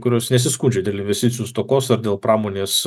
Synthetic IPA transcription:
kʊɾʲoːsnʲɛsʲɪskuːnʲd͡ʒʲɛd̪ʲeːlˠɪnʋʲɛsʲt̪ʲɪt̪sʲɪjuːst̪oːkoːsɐɾd̪ʲeːlˠpɾɑːmoːnʲeːs

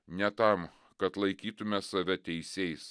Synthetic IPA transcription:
nʲɛt̪ɐm | kɐt̪lˠɐɪkʲiːt̪ʊmʲɛsɐʋʲɛt̪ʲɛɪsʲeɪjs

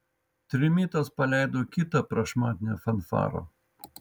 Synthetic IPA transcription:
t̪ʲɾʲɪmʲiːt̪ɐspɐlʲæˑɪd̪oːkʲɪt̪ɐpɾɐʃmɑːt̪ʲnʲɛfɐnfɑ̰ːɾo̰

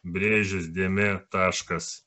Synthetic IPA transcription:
bʲɾʲeːʒʲɪsd̪ʲeːmʲet̪ɑːʃkɐs

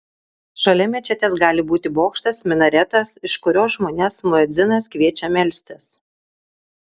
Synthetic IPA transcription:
ʃɐlʲɛmʲɛt͡ʃʲɛt̪ʲeːsɡɑːlʲɪbuːt̪ʲɪboːkʃt̪ɐsmʲɪnɐɾʲɛt̪ɐsɪʃkʊɾʲoːsʒmoːnʲɛsmʊɛd̪zʲɪnɐskʋʲiɛt͡ʃʲɛmʲɛlʲsʲt̪ʲɛs

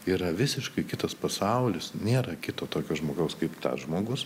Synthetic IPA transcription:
iːɾɐʋʲɪsʲɪʃkɐɪkʲɪt̪ɐspɐsɐˑʊlʲɪsnʲeːɾɐkʲɪt̪oːt̪oːkʲoːʒmoːɡɐʊskɐɪpt̪ɐ̰sʒmoːɡʊs

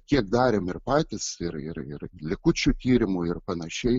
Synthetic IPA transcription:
kʲiɛkd̪ɑːɾʲemɪrpɑːt̪ʲɪsɪɾɪɾɪ̰rlʲɪkʊt͡ʃʲuːt̪ʲiːɾʲɪmʊɪrpɐnɐʃʲɛɪ

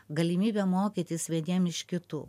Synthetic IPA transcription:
ɡɐlʲimʲiːbʲɛmoːkʲit̪ʲɪsʋʲiɛd̪ʲiɛmɪʃkʲɪt̪ṵː

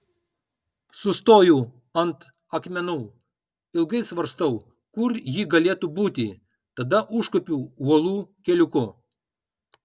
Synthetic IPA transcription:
sʊst̪oːjuː | ɐnt̪ | ɐkmʲɛnuː | ɪlˠɡɐɪsʋɐɾst̪ɐʊ | kʊɾjiːɡɐlʲeːt̪uːbuːt̪ʲɪ | t̪ɐd̪ɐʔʊʃkɔpʲuːuɔlˠuːkʲɛlʲʊkʊ

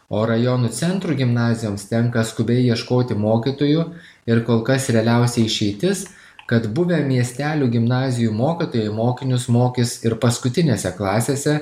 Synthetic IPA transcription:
oːɾɐjonuːt̪sʲɛnt̪ɾuːɡʲɪmnɑːzʲɪjoːmst̪ʲɛŋkɐskʊbʲɛɪʋiɛʃkoːt̪ʲɪmoːkʲɪt̪oːjʊ | ɪɾkoːlˠkɐsɾʲɛɐlʲɛʊsʲɛɪʃʲɛɪt̪ʲɪs | kɐt̪bʊʋʲɛmʲiɛsʲt̪ʲæːlʲuːɡʲɪmnɑːzʲɪjuːmoːkʲit̪oːjɛɪmoːkʲɪnʲʊsmoːkʲɪsɪɾpɐskʊt̪ʲɪnʲeːsʲɛklˠɑːsʲeːsʲɛ

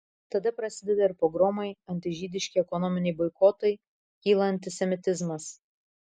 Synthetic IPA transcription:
t̪ɐd̪ɐpɾɐsʲɪd̪ʲɛd̪ʲɐɪɾpɾɔɡɾɔmɐɪɐnʲt̪ʲɪʒʲiːd̪ʲɪʃʲkʲɪɛkɔnɔmʲɪnʲɛɪbɔɪkoːt̪ɐɪ | kʲiːlˠɐɐnʲt̪ʲɪsʲɛmʲɪt̪ʲɪzmɐs

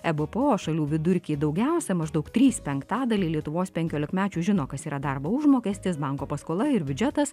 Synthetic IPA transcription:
ɛbɨpəoːʃɐlʲuːʋʲɪd̪ʊɾʲkʲiːd̪ɒʊɡʲæˑʊsʲɛmɐʒd̪ɐʊkt̪ʲɾʲiːspʲɛŋkt̪ɑːd̪ɐlʲiːlʲiɛt̪ʊʋoːspʲɛŋʲkʲoːlʲɪkmʲæːt͡ʃʲuːʒʲɪnoːkɐsiːɾɐd̪ɑɾboːʊʒmoːkʲɛːsʲt̪ʲɪsbɑŋkoːpɐskoːlˠɐɪɾbʲʊd͡ʒʲɛt̪ɐs

